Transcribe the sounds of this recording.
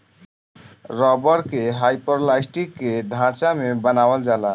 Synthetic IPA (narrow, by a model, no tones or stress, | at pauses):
ɾɔbəɾkeɦajpoɾlajsʈikːed̪ʱãɾt͡ʃamebənawəld͡ʒala